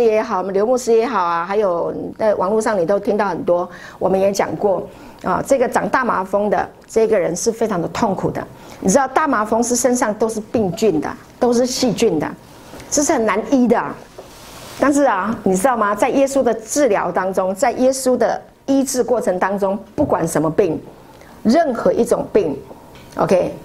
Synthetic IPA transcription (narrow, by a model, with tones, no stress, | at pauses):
jɛ˧˥xɑ˨˩ʊwm˦nljo˧˥mu˥˩ʂɻ̩˥jɛ˧˥xɑ˨˩ʊɐ˦xa˧˥ɪjo˨˩ʊt͡sa˥˩ɪwɑ̰˨˩ŋlu˥˧ʂɑ˥˩ŋni˨˩t̪o˥ʊt̪ʰi˥ŋt̪ɑ˥˩ʊxə˨˩nt̪̬wɔ˥ | wɔ˨˩mə˦njɛ˧˥t͡ɕjɑ̰˨˩ŋkwɔ˥˩ | ɐ̰˨ʈ͡ʂɤ˥˩ɡə˩ʈ͡ʂɑ˨˩ŋt̪a˥˩ma̰˨˥fɤ˥ŋd̪ə̰˨ | ʈ͡ʂɤ˥˧i˥ɡə˨˩ɻə˧˦nʂɻ̩˥˩fe˥ɪʈ͡ʂʰɑ˧˥ŋd̪ə˧t̪ʰʊ˥˩ŋkʰu˨˩d̪ə̰˦ | ni˨˩ɻ̩˥ɑ˥˧ʊt̪a˥˩ma˨˩fɤ˥ŋʂɻ̩˥˩ʂə˥nʂɑ˥˩ŋt̪o˥ʊʂɻ̩˥˧pi˥˧ŋt͡ɕy˥˩nd̪ə̰˩ | t̪o˥ʊʂ̬ɻ̩˥˧ɕi˥˧t͡ɕy˥˩nd̪ə̰˩ | ʈ͡ʂɤ˥˧ʂ̬ɻ̩˥˩xə˨˩nna˧˥ni˥d̪ə̰˨˩ | t̪a˥˧nʂ̬ɻ̩˥˩ɐ˩ni˨˩ʈ͡ʂɻ̩˥d̪ɑ˥˩ʊmɐ˨t͡sa˥˩ɪjɛ˥su˥d̪ə˨ʈ͡ʂɻ̩˥˩ljɑ˧˥ʊt̪ɑ˥ŋʈ͡ʂʊ˥ŋt͡sa˥˩ɪjɛ˥su˥d̪ə˨ | i˥t͡sɻ̩˥˧kwɔ˥˩ʈ͡ʂʰə˧˥ŋt̪ɑ˥ŋʈ͡ʂʊ˥ŋpu˥˩kwa˨˩nʂə˧˥nmə˧pi˥˩ŋ | ɻə˥˩nxɤ˧˥ʔi˥˩ʈ͡ʂʊ˨˩ŋpi˥˩ŋ | ʔo̰˧kʰe˥ɪ